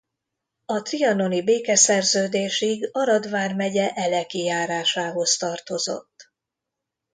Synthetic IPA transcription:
ɒt̪riɒno̞nibeːkɛsɛrzøːd̪eːʃiɡɒɾɒd̪vaːrmɛɟɛʔɛlɛkijaːɾaːʃaːɦo̞st̪ɒrt̪o̞zo̞̰t̪ː

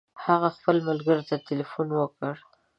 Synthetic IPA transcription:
haɣaxpəlmalɡəɾt̪at̪ɪlifunwəkəɽ

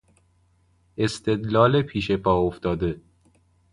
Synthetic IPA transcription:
e̞st̪e̞d̪lɒːlepʰiːʃepʰɒːoft̪ɒːd̪e̞

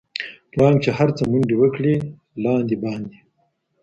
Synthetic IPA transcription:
pɽɑːŋɡt͡ʃehaɾt͡səmuɳɖiwəkɽi | lɑːnd̪ibɑːnd̪i

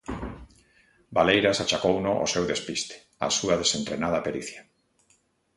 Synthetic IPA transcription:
balejɾasat͡ʃakownoʔo̰sewðespist̪e̥ | a̰suaðesent̪ɾenað̞apeɾiθja

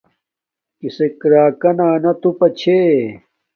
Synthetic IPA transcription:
kisekɾaːkɐnaːnɐt̪upɐt͡ɕʰe

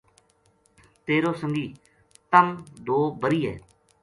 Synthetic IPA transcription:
t̪eːɾoːsəŋɡiː | t̪əmd̪oːbəɾiːɦɛ̰ː

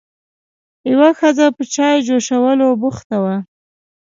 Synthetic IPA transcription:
jawaxəzapət͡ʃɑjd͡ʒoʃawəlobuxt̪awa

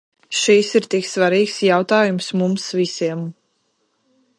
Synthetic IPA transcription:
ʃisiɾt̪iksvaɾiːksjawt̪aːjumsmumsvisiɛm

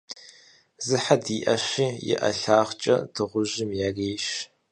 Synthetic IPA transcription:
zɨħadiːʔɐɕiːjɪ̰ʔɐ̰ɬaːχt͡ʃʼɐ̰dʰɨʁʷʊʒɪmjaːreːʃ

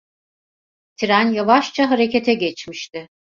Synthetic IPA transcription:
t̪ʰiɾænjavaʃt͡ʃʰaɦaɾe̞cet̪ʰɛɟɛt͡ʃmiʃt̪ɪ

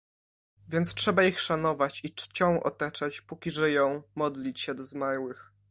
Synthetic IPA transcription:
vʲjɛnt̪stʂɛbaixʂanɔvat͡ɕit͡ʂt͡ɕɔ̃w̃ʔɔ̰t̪at͡ʂat͡ɕpukʲiʐɛjɔ̃w̃mɔd̪lʲit͡ɕɕɛd̪ɔzmaɾwɘx

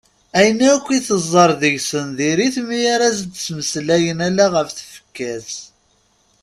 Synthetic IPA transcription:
æjənækʷːiθəzˤːəɾˤðəʝsənðiɾiθmijaɾæzd̪t͡sːməslæjənælæʁəfθə̥fə̥kːæs

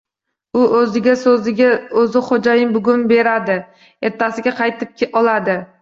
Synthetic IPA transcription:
ʊʔɵzɪɡʲasɪaɵzɪχod͡ʒajɪmbʊɡʲʊnbe̞ɾad̪ɪ | e̞ɾt̪ʰːasɪɡʲaqʰɑjt̪ʰɪp̚kʲʰɒlˠad̪ɪ

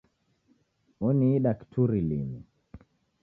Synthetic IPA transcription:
ɔniːɗaktʰuɾilḭmi

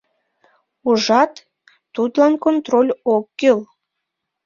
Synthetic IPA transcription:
uʒɑt̪ː | ud̪lɑnkont̪rolʲokːøl

